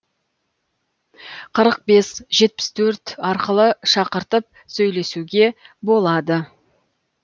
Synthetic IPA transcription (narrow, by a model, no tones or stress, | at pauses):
qʰəɾəq̚be̞sʒe̞t̪̚pɪ̥st̪ʰɵɾt̪ɑɾqəlˠəʃɑqəɾt̪əp̚ | sɵjle̞suɡʲe̞bo̞lˠɑd̪ə